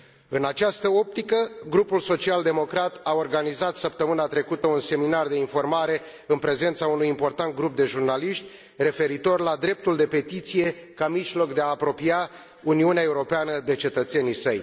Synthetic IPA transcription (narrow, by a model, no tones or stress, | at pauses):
ɨnat͡ʃast̪əo̞p̚t̪ikəɡɾupulso̞t͡ʃiald̪emo̞kɾat̪ao̞rɡanizat̪səp̚t̪əmɨnat̪ɾe̞kut̪əunse̞minard̪e̞info̞rmaɾe̞ | ɨnpɾe̞ze̞nt̪saunujimpo̞rt̪ant̪̚ɡɾup̚d̪e̞ʒurnaliʃt̪ʲ | re̞fe̞ɾit̪o̞rlad̪ɾe̞p̚t̪uld̪e̞pe̞t̪it̪sije̞kamiʃlo̞kd̪e̞aːpɾo̞pia | uniuneae̞uɾo̞peanəd̪e̞t͡ʃe̞t̪ət̪se̞nisəj